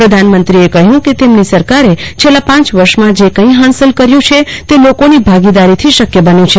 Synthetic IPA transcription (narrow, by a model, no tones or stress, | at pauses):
pɾəd̪ʱanmənt̪ɾiekəɦjũket̪emnisəɾkaɾet͡ʃʰelapãt͡ʃʋəɾʃmãd͡ʒekə̃ĩɦãnsəlkəɾjũt͡ʃʰet̪elokonibʱaɡid̪aɾit̪ʰiʃəkjəbənjũt͡ʃʰe